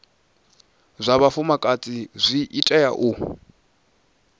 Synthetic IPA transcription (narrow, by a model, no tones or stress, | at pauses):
zʷaβafumakʼat͡sʼizʷiʔitʼɛja̰ʔu